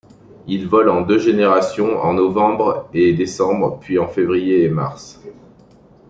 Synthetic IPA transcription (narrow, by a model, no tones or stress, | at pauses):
ilvɔlɑ̃d̪øʒeneʁasjɔ̃ɑ̰̃nɔvɑ̃bʁed̪esɑ̃bʁpɥiɑ̃fevʁijeːma̰ʁs